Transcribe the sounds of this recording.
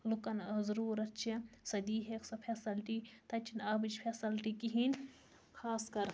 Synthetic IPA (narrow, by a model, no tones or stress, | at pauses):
lukɐnzɐɾuːɾɐtt͡ʃʰisɐd̪iːɦeksɐpʰesɐlʈit̪ɐt͡ʃʰinɐbit͡ʃpʰʲesɐlʈiːkiɦinʲ | kʰaːskɐɾ